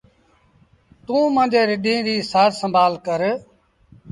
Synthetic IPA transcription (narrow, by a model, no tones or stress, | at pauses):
t̪ũːmãːd͡ʒeːɾɪɗĩːɾiːsaːɾsəmbʱaːlkəɾ